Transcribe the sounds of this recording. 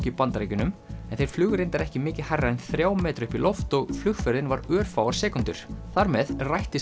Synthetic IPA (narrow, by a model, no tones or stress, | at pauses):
cɪipant̪aɾeːjcʏnʏmɛnθejɾ̥flʏːɣʏɾejnt̪aɾɛhcɪmɪːcɪhajrːaɛnθɾjaːwmɛːt̪ɾʏhpilɔft̪ɔɣflʏɣfœɾðɪnvaɾœːɾ̥fawaɾ̥sɛːkʏnt̪ʏɾ̥θaɾmɛðrajht̪ɪ